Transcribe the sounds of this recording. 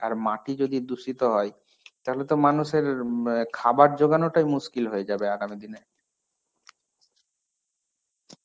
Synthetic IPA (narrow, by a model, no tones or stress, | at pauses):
aɾmaʈid͡ʑod̪id̪uʃit̪oɦɔe | t̪aɦolet̪omanuʃeɾkʰabaɾd͡ʑoɡanoʈajmuʃkilɦojed͡ʑabeaɡamid̪ine